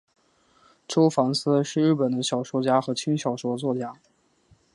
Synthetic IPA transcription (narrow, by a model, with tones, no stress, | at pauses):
ʈ͡ʂo˥ʊfɑ˧˥ŋsɹ̩˥ʂɻ̩˥˧ɻɻ̩˥˩pə˨˩nd̪ə˦ɕjɑ˨˩ʊʂwɔ˥t͡ɕja˥xɤ˧˥t͡ɕʰi˥ŋɕjɑ˨˩ʊʂwɔ˥t͡swɔ˥˩t͡ɕja˥